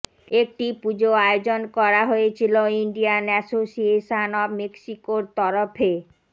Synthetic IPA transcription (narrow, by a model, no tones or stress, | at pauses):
ek̚ʈipud͡ʑoaod͡ʑonkɔɾaɦoet͡ɕʰiloiɳɖianɛsosieʃanɔbmeksikoɾt̪ɔɾofʰe